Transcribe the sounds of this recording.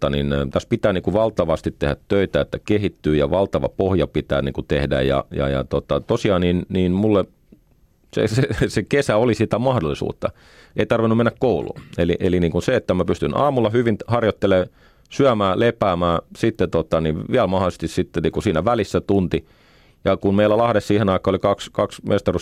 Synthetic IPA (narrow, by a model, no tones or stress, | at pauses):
t̪ɑnint̪æspit̪æːniːŋkuʋɑlt̪ɑʋɑst̪it̪tehæt̪tøit̪æet̪ːækehit̪ːyːjɑʋɑlt̪ɑʋɑ̰pohjɑpit̪æ̰ːniːŋkut̪ehdæ̰jjɑ̰jɑ̰jɑ̰t̪ot̪ɑt̪osiɑːninniːnmulːe | sḛsesekesæolisit̪æmɑhdolːˑisṵːt̪ːɑ | eit̪ɑrʋinːumenːækkoulṵːelḭʔeliniːŋkunseet̪ːæmæpyst̪ynɑ̰ːmulːɑhyʋinhɑrjot̪ːeleː | syæmæːlepæːmæːsit̪ːet̪ot̪ɑniʋʋiælmɑholise̥s̆t̪issit̪ːeniːkusiːnæʋælisːæt̪unt̪i | jɑkunmeilːˑælɑhɾessiːhenɑikˑɑːolikɑkskɑksmʔest̪ɑrus